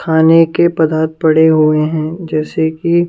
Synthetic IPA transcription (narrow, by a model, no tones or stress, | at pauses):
kʰaːnekepɐd̪aːt̪̚pɐɽeɦueɦɛ̃ːd͡ʒɛːseki